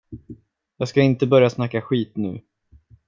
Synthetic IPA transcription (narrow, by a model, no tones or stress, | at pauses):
jɑːɡskaɪnt̪əbœɾjasnakːaɧiːt̪nʉ̟̰ː